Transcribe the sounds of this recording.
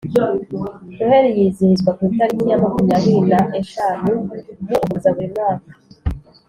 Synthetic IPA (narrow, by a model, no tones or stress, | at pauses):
ɾeɾijiziizɡwakwiːtaɾikijamakumijaβiinaʔe̞ʃaːnujoʔumuzaɡemnaːka